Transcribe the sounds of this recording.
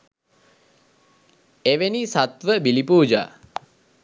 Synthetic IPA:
eʋenisat̪ʋəbilipuːd͡ʒa̰ː

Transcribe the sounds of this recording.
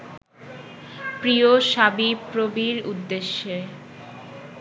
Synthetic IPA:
pɾioʃabipɾobiɾud̪ːeʃːe

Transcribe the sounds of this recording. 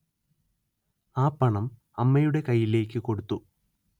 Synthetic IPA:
aːpːɐɳɐm | ɐmːɐjuɽe̞kɐjːile̞ːkʲːɨko̞ɽut̪ːu

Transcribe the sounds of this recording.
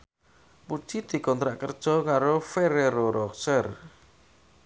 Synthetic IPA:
pud̥ʒ̥id̪̥i̤kɔnt̪ɾaʔkərd̥ʒ̥ɔ̤kaɾofeɾeɾoɾɔksər

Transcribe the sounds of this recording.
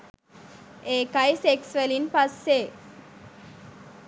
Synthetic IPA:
eːkajseksʋelinpasːe

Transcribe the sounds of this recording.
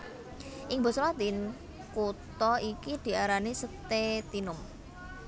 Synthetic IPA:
ʔɪŋbɔ̤sɔlad̪in | kut̪ɔikid̪̥i̤aɾanisət̪et̪inʊm

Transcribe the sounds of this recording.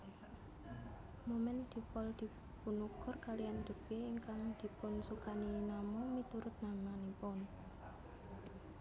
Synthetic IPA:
momɛnd̪̥i̤pɔld̪̥i̤ | punukɔrkalijand̪̥ə̤b̥eːŋkaŋd̪̥i̤pʊnsukaninamʊŋmit̪uɾʊt̪̚namanipɔn

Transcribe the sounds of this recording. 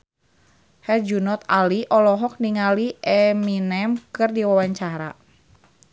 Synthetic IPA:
hɛrd͡ʒunɔt̪aliʔɔlɔɦɔk̚niŋaliɛminɛmkɨrdiwawaɲt͡ʃaɾa̰

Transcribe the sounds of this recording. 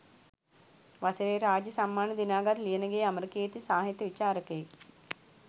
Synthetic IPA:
ʋɐsɐɾeːɾaːd͡ʒjɐsɐmːaːnɐd̪inaːɡɐɾlijɐnɐɡejɐmɐɾkeːt̪isaːɦɐt̪ːjɐʋit͡ʃaːɾɐkeː

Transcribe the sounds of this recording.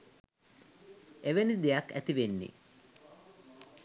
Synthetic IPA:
eʋenid̪ejakːæ̰t̪iʋenːḭ

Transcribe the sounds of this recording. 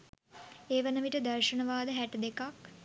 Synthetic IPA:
eːʋənəʋiʈəd̪ɐɾʃənəʋaːd̪əɦæʈəd̪ekak

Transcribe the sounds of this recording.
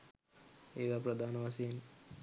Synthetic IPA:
id̪apɾɐd̪ʱaːnɐʋaːsiːn

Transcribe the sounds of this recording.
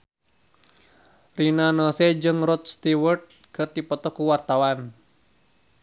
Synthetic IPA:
rinanɔsed͡ʒɨŋɾɔt̪̚st̪iwərd̪̚kɨrdipɔt̪ɔkuwart̪awan

